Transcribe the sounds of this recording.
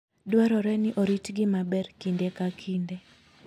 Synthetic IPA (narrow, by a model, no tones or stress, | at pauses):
dwaɾɔɾɛnɪʔoɾitɡɪmabɛrkindekakʰinde